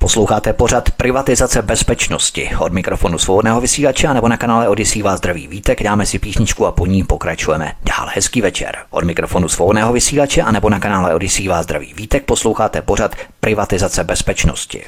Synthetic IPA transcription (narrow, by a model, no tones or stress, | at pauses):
poslowxaːt̪ɛpo̞rat̪pɾɪvat̪ɪzat͡sɛbɛspɛt͡ʃnoscɪ̰ʔo̞dmɪkɾofo̞nusvo̞bo̞dnɛːɦo̞vɪsiːlat͡ʃɛʔanɛbo̞nakanaːlɛodjɪsiːvaːzd̪ɾavḭːviːt̪ɛɡdaːmɛsɪpiːsɲɪt͡ʃkuapoɲiːpo̞kɾat͡ʃujɛmɛ̰d̥a̰ːlhɛskiːvɛt͡ʃɛ̰ɾʔo̞̰dmɪkɾo̞fo̞nusvobodnɛːɦo̞vɪsiːlat͡ʃɛʔanɛbo̞nakanaːlɛ̰ʔo̞djɪsiːvaːzd̪ɾavḭːviːt̪ɛk̚po̞slo̞wxaːt̪ɛpo̞ɾat̪pɾʔɪvat̪ɪzat͡sɛbɛspɛt͡ʃno̰scɪ̰